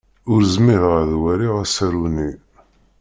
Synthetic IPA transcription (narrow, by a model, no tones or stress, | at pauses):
ʊɾzmɪðʁəðwæɾiʁæsæɾuni